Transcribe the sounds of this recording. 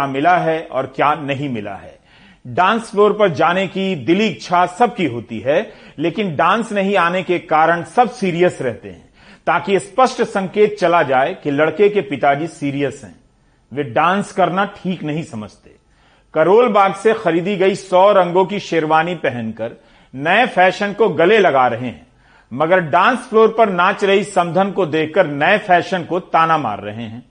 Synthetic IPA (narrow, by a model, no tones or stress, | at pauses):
amɪlaɦɛɔ̰ːɾkjaːnɐɦĩmɪla̰ɦɛ̰ː | ɖãːnsfloːɾpɐɾd͡ʒaːnekid̪ɪliɡt͡ʃʰasɐb̚kiɦoːt̪iɦɛleːkɪnɖãːnsnɐɦĩaːnekekaːɾəɽ̃sɐb̚siːɾijəsɾɛɦt̪ḛɦɛ̰̃ː | t̪aːkijespɐsʈsɐ̃ŋkeːt̪̚t͡ʃɐlad͡ʒaːekelɐɽkekepɪt̪ad͡ʒisiːɾijəsɦɛ̰̃ː | ʋeɖãːnskɐɾnaʈʰiːknɐɦĩsɐməd͡ʒʱt̪e̥̰ː | kɐɾoːlbaːɡsexɐɾiːd̪iɡɐisɔːɾɐ̃ŋɡõkiʃeːɾʋaːnipɛɦɛ̃nkɐɾ | nɐefʰɛːʃənkoɡɐlelɐɡaːɾɐɦeɦɛ̰̃ː | mɐɡəɾɖãːnsfloːɾpɐɾnaːt͡ʃɾɐɦisɐ̃md̪ʱənkod̪eːkʰkəɾnɐefɛːʃənkot̪aːnama̰ːɾːɐ̰ɦeɦɛ̰̃ː